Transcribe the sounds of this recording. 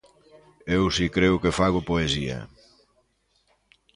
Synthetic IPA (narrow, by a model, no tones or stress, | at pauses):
ewsikɾeʊkefaɣ̞ʊpoesiɐ̰